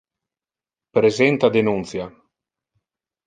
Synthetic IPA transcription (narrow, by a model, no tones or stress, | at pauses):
pɾezɛnt̪ad̪enunt̪sja